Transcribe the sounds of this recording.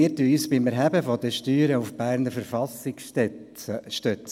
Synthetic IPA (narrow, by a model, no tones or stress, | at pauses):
iətyyːsbɪmɛɾɦæbəfɔd̪əʃtyːɾəufb̥æːɾnəɾfəɾfɑsɪkstɛʃtœt͡s